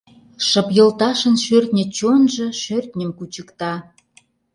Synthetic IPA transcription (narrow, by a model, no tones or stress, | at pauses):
ʃɤ̆pjə̆lt̪ɑʃə̆nʃørt̪nʲə̆t͡ɕonʒɤ̆ʃørt̪ʲnʲə̆mkut͡ɕəkt̪ɑ